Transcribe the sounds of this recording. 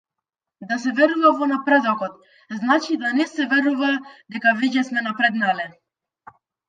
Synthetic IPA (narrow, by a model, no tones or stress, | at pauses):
d̪asɛvɛɾuvavɔnapɾɛd̪ɔkɔt̪ | znat͡ʃid̪anɛsɛvɛɾuvad̪ɛkaviɟɛsmɛnapɾɛd̪nalɛ